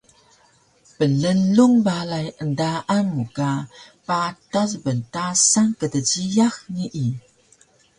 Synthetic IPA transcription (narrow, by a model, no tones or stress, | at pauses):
pələluŋbalajəndaʔanmukapatazbəntasaŋkədəd͡ʑijaxniʔi